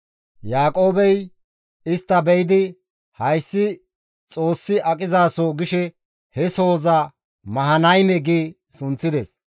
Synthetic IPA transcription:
jaːkʼo̞ːbɛj | ɪst̪ːɐbɛjɪd̪ɪ | hɐjsːɪ | t͡sʼo̞ːsːɪʔɐkʼɪzaːsoɡɪʃɛ | hɛso̞ːzɐ | mɐɦɐnɐjmɛɡiː | sʊnt͡sːɪd̪ɛs

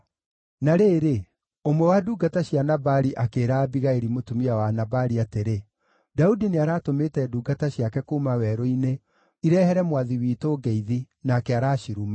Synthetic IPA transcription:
naɾeːɾe | omwɛwaduːɡataɕjanabaɾiʔakeːɾaːbiɣaeɾimotumiawanabaɾiateɾe | daudineaɾaːtometɛduːɡataɕjakɛkuːmawɛɾoine | iɾɛhɛɾɛmwaðiwiːtoɡɛiði | nakɛaɾaːʃiɾuma

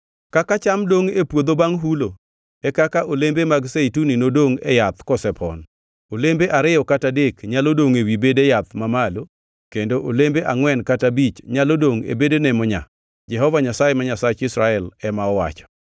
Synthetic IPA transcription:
kakat͡ʃamdoŋepwod̪obaŋɦulo | ɛkakaʔolembemaɡseituninodoŋɛ̰jat̪kɔsɛpʰɔ̰n | olembeʔaɾɪɔkatadekɲalodoŋewibedejat̪̚mamalo | kendoʔolembeʔaŋwɛnkatabit͡ʃɲalodoŋḛbedenɛmɔɲa̰ | d͡ʒɛɦɔvaɲasajemaɲasat͡ʃɪsɾaɛlɛmaɔwa̰t͡ʃɔ̥

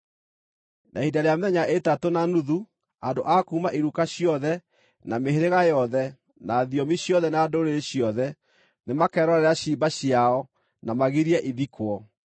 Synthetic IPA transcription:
nʔa̰idaɾeamɛɲaʔetatonanuðu | andoʔakuːmaʔiɾukaɕiɔðɛ | nameɦeɾeɣajɔðɛ | naðiɔmiɕjɔðɛnadoːɾeeɕiɔðɛ | nemakɛɾɔɾɛɾeaɕibaɕiaɔ | namaɣiɾiɛʔiβikwɔ

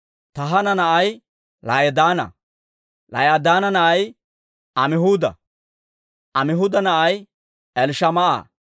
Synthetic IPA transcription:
t̪ɐɦɐnɐnɐʔɐj | lɐjɐd̪aːnɐ̰ | lɐ̰jɐd̪aːnɐnɐʔɐj | ʔɐmɪɦuːd̪ɐ̰ | ʔɐmɪɦud̪ɐnɐʔɐj | ɛlʃɐmɐʔa̰ː

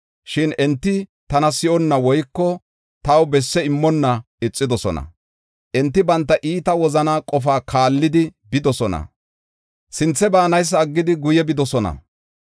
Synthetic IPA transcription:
ʃɪnɛnt̪ːɪt̪ɐnɐsɪʔɔnːɐwɔjkːɔ | t̪ɐwbɛsːɛɪmːɔnːɐ | ɪt͡sʼːɪd̪ɔsɔ̰nɐ̰ | ʔɛnt̪ːɪbɐnt̪ːɐʔiːt̪ɐwɔzɐnaːkʼɔfaːkʰaːlːɪd̪ɪbɪd̪ɔsɔnɐ̰ | sɪnt͡sːɛbaːnɐjs̬ːɐːɡːɪd̪ɪɡʊjɛbɪd̪ɔsɔnɐ̰

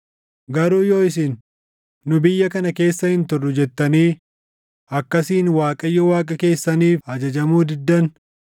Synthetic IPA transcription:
ɡɐɾuːjo̞ːɪs̬ɪnː | ʊbɪjːɐkɐnɐke̞ːsːɐhɪnt̪ʊrːʊd͡ʒɛt̪ːɐniː | ɐkːɐsiːnwaːkʼɐjːɔwaːkʼɐke̞ːsːɐniːfhɐd͡ʒɐd͡ʒɐmuːd̪ɪd̪ːɐn

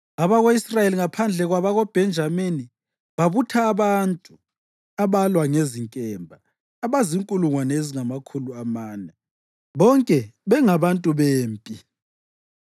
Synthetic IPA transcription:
aβaɣoisrajeliŋapʰand͡ɮʱɛɣwaβaɣob̥ʱɛnd͡ʒʱameni | βaβutʰaːβantʼu | aβalwaŋeziŋkʼɛːmbʱaː | βaziŋkʼuluŋwanɛeziŋamakʰuluamaːnɛ | βɔŋkʼɛβɛŋaβantʼuβeːmpʼi

